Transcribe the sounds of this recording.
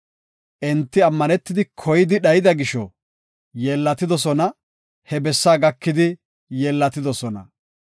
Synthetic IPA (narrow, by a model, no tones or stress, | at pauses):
ʔɛnt̪ːɪɐmːɐnɛt̪ːɪd̪ɪkʰɔjɪd̪ɪɗɐjɪd̪ɐɡɪʃɔ̰ | jeːlːɐt̪ɪd̪ɔsɔnɐ | hɛbɛsːaːɡɐkːɪd̪ɪ | jɛːlːɐt̪ːɪd̪ɔsɔnɐ̰